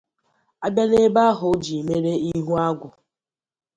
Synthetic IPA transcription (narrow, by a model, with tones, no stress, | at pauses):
a˦ba˦ne˦ba˦ɦʊ˨˦d͡ʒi˨me˦ɾe˦i˦ɦu˦a˦ɡʷʊ˨